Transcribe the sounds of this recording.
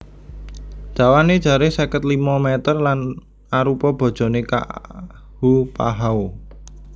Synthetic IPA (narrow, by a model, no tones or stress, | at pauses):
d̪̥ä̤waned̥ʒ̥a̤ɾɪhsakət̪limɔmɛt̪ərlan | aɾupɔb̥ɔ̤d̥ʒ̥ɔ̤neka̰ | hupaɦao